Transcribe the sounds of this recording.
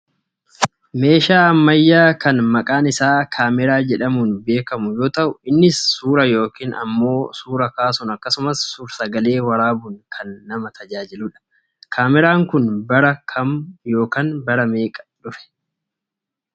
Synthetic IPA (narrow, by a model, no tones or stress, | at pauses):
me̞ːʃaːɐmːɐjːaːkɐnmɐkʼaːnɪsaːkʰaːmɪɾaːd͡ʒɛᶑɐmunbe̞ːkɐmʊjo̞ːt̪ɐʔʊɪnːɪsːuːɾɐjo̞ːkiːnɐ̰mːo̞ːsuːɾɐkaːsʊnɐkːɐsʊmɐsːuːɾsɐɡɐle̞ːwɐɾaːbʊnkʰɐnːɐmɐt̪ɐd͡ʒaːd͡ʒɪlʊᶑɐ̥ | kʰaːmɪɾaːŋkʊnbɐɾɐkʰɐmjo̞ːkaːnbɐɾɐme̞ːkʼɐ̥ᶑʊfɛ̥